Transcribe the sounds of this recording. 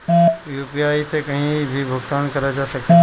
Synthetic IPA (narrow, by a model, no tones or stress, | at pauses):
juːpiaːisekɐɦĩbʱibʱʊɡt̪aːnkɐɾad͡ʒaːsɐk̚